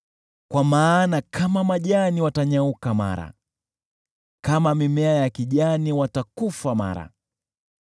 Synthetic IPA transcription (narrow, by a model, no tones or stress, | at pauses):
kwamaːnakʰamamaʄaniwataɲaukama̰ɾa̰ | kamamimɛajakiʄaniwatakufama̰ɾa̰